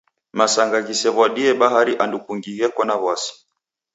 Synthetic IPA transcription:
masaŋɡaɣisɛβwaɗiɛɓaɦaɾiʔandukuŋɡiɣɛkwanaβwasi̥

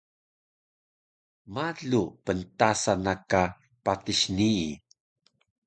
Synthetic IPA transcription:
maɮupəntasanaka | patiɕnii

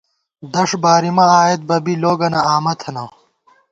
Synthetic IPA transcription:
d̪ɐʂbaːɾimɐaːet̪̚bɐbiloːɡɐnɐaːmɐt̪ʰɐnɐw

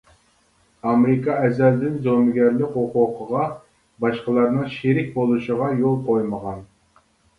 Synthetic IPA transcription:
ɑmɾɪkʰɑɛzɛld̪ɪnzomɪɡʲæɾlɪkʲoqʊqʰəʁɑ | bɑʃqəlˠɑɾnɨŋʃiɾɪk̚ʲbolˠuʃəʁɑjolˠqʰojməʁɑn

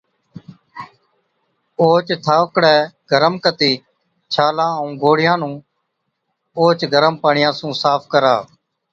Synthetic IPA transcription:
oːt͡ʃt̪ʰaːʋkɽɛːɡʱəɾəmkət̪iː | t͡ʃʰaːlãːəũːɡʱoːɽɪjãːnũː | oːt͡ʃɡʱəɾəmpaːɳɪjãːsũːsaːpʰkəɾa̰ː

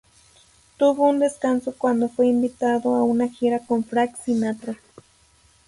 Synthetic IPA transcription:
t̪uβund̪eskansokwand̪ofweimbit̪aðoaunaxiɾakomfɾaksinat̪ɾa

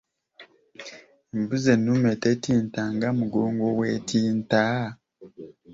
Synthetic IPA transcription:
embuzenːumetetiːntaŋɡamuɡoːŋɡowetʰiːnta

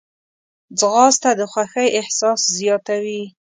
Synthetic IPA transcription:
d͡zɣɑst̪ad̪əxwaxəjɪhsɑszjɑt̪awi

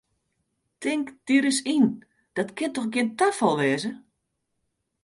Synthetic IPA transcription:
tʰɪŋkd̥iəɾəsin | d̥ɔtkʰɪntɔxɡiəntafɔlˠʋɛːzə

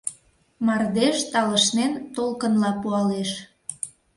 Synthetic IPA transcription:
mɑrd̪eʃt̪ɑləʃnent̪olkənlɑpuɑleʃ

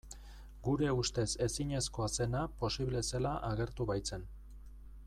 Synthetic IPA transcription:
ɡuɾe̞ust̪e̞se̞siɲe̞sko̞ase̞napo̞siβle̞selaʔaɣe̞ɾt̪uβajt͡se̞n

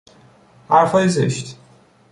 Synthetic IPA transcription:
hæɾfɒːjezḛʃt̪

